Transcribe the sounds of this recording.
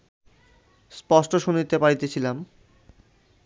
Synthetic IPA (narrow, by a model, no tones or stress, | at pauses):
spɔʃʈoʃunit̪epaɾit̪et͡ɕʰilam